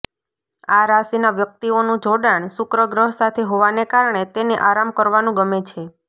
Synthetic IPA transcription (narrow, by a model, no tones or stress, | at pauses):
aɾasinaʋjək̚t̪ionũd͡ʒʱoɽaɳsʊkɾəɡɾəɦsat̪ʰeɦoʋanekaɾɳet̪eneʔaɾamkəɾʋanũɡəmet͡ʃʰe